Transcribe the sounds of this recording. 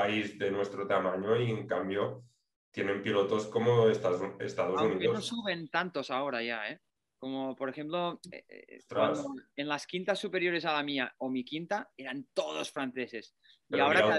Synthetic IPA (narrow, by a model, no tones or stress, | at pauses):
aizðenwe̞st̪ɾot̪amãɲoieŋkambjo | t̪jenẽmpilot̪o̞skomoesaest̪aðosuniðeonosuβe̞nt̪ant̪o̞sao̞ɾaʝae | ko̞mopoɾexe̞mplo̞ḛt̪ɾad̪oenlaskint̪asːupe̞ɾjo̞ɾe̞salamiaomikint̪ae̞ɾant̪oðo̰sfɾan̟θe̞se̞s | iaoɾa